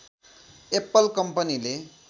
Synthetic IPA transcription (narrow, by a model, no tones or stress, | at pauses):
epʌlkʌmpʌnile